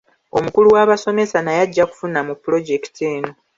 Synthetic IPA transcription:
o̞mukuluwaβaso̞me̞sanajaɟːaku̥funamupːulo̞ɟe̞ki̥teːno̞

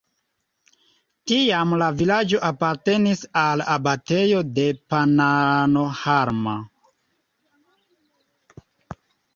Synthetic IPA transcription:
tiamlavilad͡ʒo̞ʔapaɾte̞nisalabate̞jo̞de̞panano̞haɾma

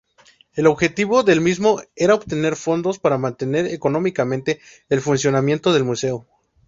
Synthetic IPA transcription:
e̞lo̞βxe̞t̪iβo̞ðe̞lmizmo̞e̞ɾaoβt̪e̞ne̞ɾfo̞nd̪o̞spaɾamãnt̪e̞ne̞ɾekono̞mikamẽnt̪e̞ː | lfunsjo̞namje̞nt̪o̞ðe̞lmuse̞o

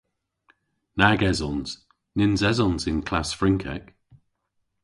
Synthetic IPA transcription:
naɡɛzɔnz̥ | nɪnzɛzɔ̃nzɪ̃nkʰl̥asfɹɪ̃ŋkʰɛ̰k

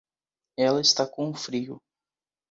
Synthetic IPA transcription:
ɛlɐɪst̪akõʊfɾiʊ̰

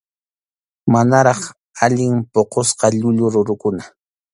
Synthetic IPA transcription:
manaɾɑχ | aʎɪŋpoqosqɑʎʊʎʊɾʊɾʊkʊna

